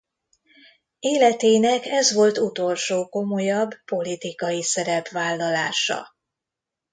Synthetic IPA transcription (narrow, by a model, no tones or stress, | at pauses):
eːlɛt̪eːnɛkɛzʋo̞lt̪ut̪o̞lʃoːko̞mo̞jɒbːo̞lit̪ikɒjisɛɾɛpʋaːlːɒlaːʃɒ̰